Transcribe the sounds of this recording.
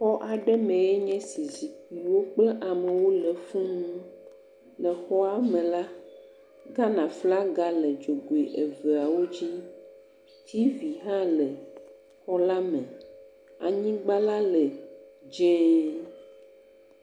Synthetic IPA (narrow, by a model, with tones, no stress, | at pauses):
xɔ˦ʔa˨ɖɛ˦mɛ̃˨e˦ɲɛ̃˦si˨zi˨ki˨wo˦k͡plɛ˦ʔa˨me˨wo˦lɛ˨fũ˦nũ˦ | lɛ˨xɔ˦a˨mɛ̃˨la˦ | ɡa˦nã˨fla˦ɡa˦lɛ˨d͡ʒo˨ɡo˨e˨ʔe˨ve˨a˨wo˦d͡ʑi˦ | t̪ʰi˦vi˨ɦã˦lɛ˨ | xɔ˦la˦mɛ̃˨ | a˨ɲĩ˦ɡ͡ba˦la˦lɛ˨d͡ʒɛ̃˦